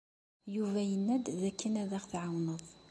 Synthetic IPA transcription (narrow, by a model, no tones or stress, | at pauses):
juvæjənːæd̪ðækːinæðæχθʕawnəðˤ